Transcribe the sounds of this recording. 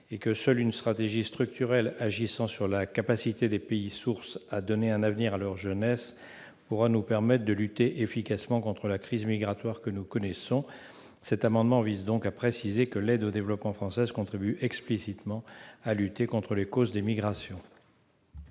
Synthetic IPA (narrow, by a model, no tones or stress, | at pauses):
ekəsœlynst̪χat̪eʒist̪χyk̚t̪yʁɛlaʒisɑ̃syʁlakapasit̪ed̪epeisuʁsad̪ɔneɛ̃navniʁalœʁʒənɛs | puʁanupɛʁmɛt̪χd̪əlyt̪eʔefikasmɑ̃kɔ̃t̪χəlakχizmiɡʁat̪waʁkənukɔnɛsɔ̃ | sɛt̪amɑ̃d̪mɑ̃vizd̪ɔ̃kapχesizekəlɛd̪od̪evlɔpmɑ̃fχɑ̃sɛzkɔ̃t̪χibyʔɛksplisit̪mɑ̃alyt̪ekɔ̃t̪χəlekozd̪emiɡʁasjɔ̃